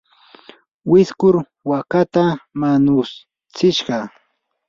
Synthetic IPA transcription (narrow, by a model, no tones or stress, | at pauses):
wɪskʊɾ | wakat̪amanʊs | t͡sɪʃɢɑ